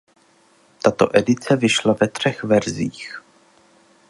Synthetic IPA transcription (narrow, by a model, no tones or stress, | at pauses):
t̪at̪o̞̰ʔɛdɪt͡sɛvɪʃlavɛt̪r̝̥ɛxvɛɾziːx